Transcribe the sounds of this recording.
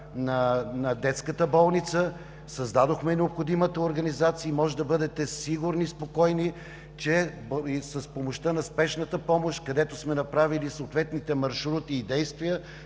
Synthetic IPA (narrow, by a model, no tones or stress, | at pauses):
nɐnɐd̪ɛt̪skət̪əbɔlˠnit̪sə | sɐzd̪ad̪oxmɛnɛopxod̪imət̪əoɾɡɐnizat̪siəimɔʒɛd̪ɐbɤd̪ɛt̪ɛsiɡuɾnispokɔjni | t͡ʃɛ | sɐspomoʃt̪ənɐspɛʃnət̪əpɔmoʃt̪kɐd̪ɛt̪osmɛnɐpɾavilisoːt̪vɛt̪nit̪ɛmɐɾʃɾut̪iːd̪ɛjst̪vijə